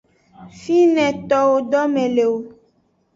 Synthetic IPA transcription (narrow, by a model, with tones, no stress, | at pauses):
fi˦nɛ̃˨t̪ɔ˨wo˨ɖɔ˦mɛ̃˨le˨wo˨